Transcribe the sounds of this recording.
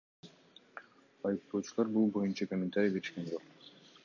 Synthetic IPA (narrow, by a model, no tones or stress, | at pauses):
ɑjɯq̚t̪o̞ːt͡ʃulˠɑɾbulˠbo̞junt͡ʃɑkomʲent̪aɾʲijkeɾiʃke̞nd͡ʒo̞q